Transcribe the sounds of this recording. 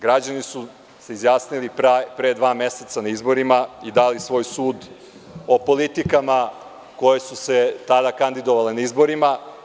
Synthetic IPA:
ɡɾad͡ʑanisu | se̞izjaːsnilipɾapɾeːd̪ʋaːme̞se̞t̪sanaizbo̞ɾimaid̪alisʋo̞ːjsuːd̪ | o̞po̞lit̪ikama | ko̞jesuse̞t̪ad̪akand̪id̪o̞ʋale̞naizbo̞ɾima

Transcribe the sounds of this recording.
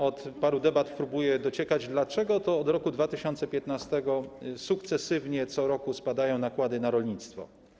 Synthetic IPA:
ɔt̪paɾud̪ɛbat̪pɾubujɛd̪ɔt͡ɕɛkad͡ʑd̪lat͡ʂɛɡɔt̪ɔːd̪ɾɔkud̪vat̪ɘɕɔnt̪sɛpʲjɛt̪nast̪ɛɡɔsukt̪sɛsɘvɲɛt̪sɔɾɔkuspad̪ajɔ̃w̃nakwad̪ɘnaɾɔlɲit̪st̪fɔ̰

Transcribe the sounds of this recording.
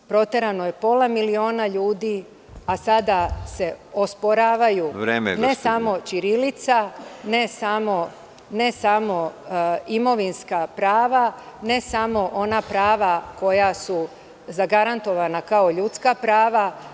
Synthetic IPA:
pɾo̞t̪e̞ɾano̞je̞po̞lamilio̞ːnaʎuːd̪i | asad̪ase̞ospoɾaːʋajuɾemḛnesamo̞t͡ʃiɾilit̪sane̞samo̞ | ne̞samo̞ | imo̞ʋinskapɾaːʋane̞samo̞ʔo̞napɾaːʋako̞jasu | zaɡaɾant̪o̞ʋanakaoʎut̪skapɾaːʋa

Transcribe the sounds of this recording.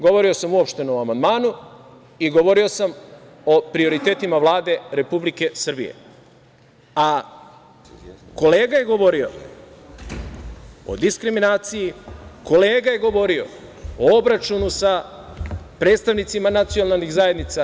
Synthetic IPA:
ɡo̞ʋo̞ɾio̞samuopʃt̪e̞noamand̪maːnu | iɡo̞ʋo̞ɾio̞sam | o̞pɾio̞ɾit̪e̞ːt̪imaʋlˠaːd̪e̞ɾe̞publike̞sɨr̩bḭje̞̰ | a | ko̞leːɡaje̞ɡo̞ʋo̞ɾio̞̰ | o̰d̪iskɾiminaːt̪sijiko̞le̞ːɡaje̞ɡo̞ʋo̞ɾio̞̰oobɾat͡ʃunusa | pɾe̞ːt̪st̪aʋnit̪simanat̪sijonalnixzaje̞d̪nit̪sa

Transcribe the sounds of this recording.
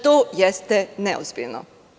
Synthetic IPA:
t̪oːjɛst̪ɛnɛozbḭlno̰

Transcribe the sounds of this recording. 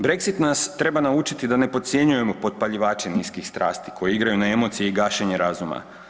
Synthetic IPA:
bɾe̞kzit̪nast̪ɾe̞banaut͡ʃit̪id̪ane̞pot̪t̪sjeɲuje̞mo̞pot̪̚paʎiʋaːt͡ʃe̞niːskixst̪ɾa̰ːst̪i̥kʰo̞jeiɡɾajunae̞mo̞t̪sijeiɡaːʃe̞ɲe̞ɾazuma̰

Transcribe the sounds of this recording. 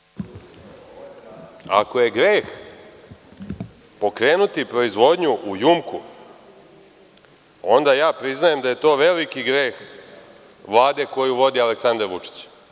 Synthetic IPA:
a̰ko̞je̞ɡɾeːx | po̞kɾe̞ːnut̪ipɾo̞izʋo̞d̪ɲuʔujumku | o̞nd̪ajaːpɾiznaje̞md̪aje̞t̪o̞ːʋe̞likiɡɾeːx | ʋlˠaːd̪e̞ko̞juʋo̞d̪ialeksand̪aɾʋut͡ʂi̥t͡ɕ

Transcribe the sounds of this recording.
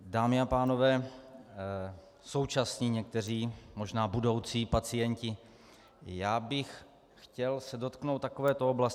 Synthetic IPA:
daːmɪapaːno̞vɛː | so̞wt͡ʃasɲiːɲɛk̚t̪ɛr̝iːmo̞ʒnaːbudo̞wt͡siːpat͡sɪjɛɲcɪ | jaːbɪx | xcɛlsɛdo̞t̪knowt̪t̪ːakovɛːt̪ooblas

